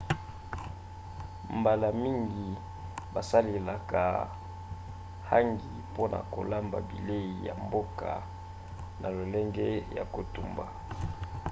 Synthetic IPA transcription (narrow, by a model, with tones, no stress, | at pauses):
mba˨la˨mi˦ŋɡi˨ | ba˨sa˦le˨la˨ka˨ | ha˦ŋɡi˨po˦nʔa̰˨ko̰˨la˦mba̰˨bi˨le˦i˨ja̰˨mbo˦ka̰˨ | nʔa˨lo˨lɛ˦ŋɡɛ˦ja̰˨ko˨tu˨mba˨